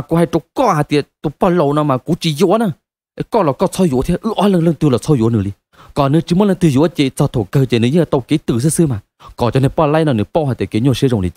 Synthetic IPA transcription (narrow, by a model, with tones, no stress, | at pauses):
a˨ku˧˦ha˧jtʊ˨˧˦kɔ˧haː˨˩t̪i˧˨ə˨t̪o˨˧˩pɔ˧˩lo˨wnɔ˧˦maː˨˩ku˧˦t͡ɕi˧˦zo˧˨ə˦na˧˩ | ʔə˨˧˦kɔ˧˨lɔ˨˩kɔ˧˩sʰɔ˧jṵ˧˨t̪ʰi˧˦ʔɨ˧˦ʔaː˧˦lə˧ŋlə˧ŋt̪ɨ˧˨lɔ˨˩sʰɔ˧˩jṵ˨˧˨ə˦nɨ˨˧˦ɗi˧ | kɔ˨˩nɨ˧˦t͡ɕi˨˧˦m˧˦nlə˧ŋt̪ɨ˧˩˨jṵ˧˦ʔə˧t͡ɕi˧˨t͡sɔ˧˩t̪ʰo˧˩kə˧t͡ɕe˧˨˦nɨ˨˧˦ɲɨ˧˨˧t̪o˧˩ki˧˦t̪ɨ˧˩˨s̬sɨ˧˨maː˨˩ | kɔ˨˩t͡ɕɔ˧ne˧˨pɔ˧˩la˧jnɔ˧˩nɨ˧˦pwhaː˨˩t̪e˨˩ki˨˦ɲo˧˨szo˨ŋlḭ˨˧˨